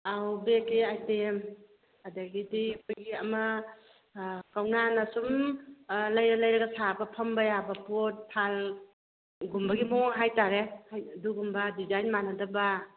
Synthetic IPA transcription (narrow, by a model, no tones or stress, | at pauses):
awbekeajtem | adaɡidikʰɔjɡiɐmɐ | kawnanasum | lajɾalɐjɾɐɡasabɐpʰɐmbajabɐpot̚pʰal | ɡumbɐɡimɔɦajtaɾehajduɡumbadizajnmanadaba